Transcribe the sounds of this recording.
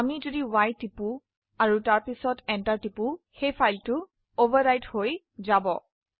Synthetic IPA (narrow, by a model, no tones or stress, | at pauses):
amizodiwajtipu | aɹutaɹpisɔtɛntaɹtipuxejpʰajltʊ | obaɹɹajthoj | zabɔ